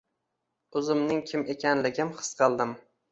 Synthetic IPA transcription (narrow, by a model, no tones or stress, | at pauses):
ʊzɪmnɪŋkʲʰɪme̞kʲʰanlɪɡʲɪmχʰɨ̥sqʰɨlˠd̪ɪm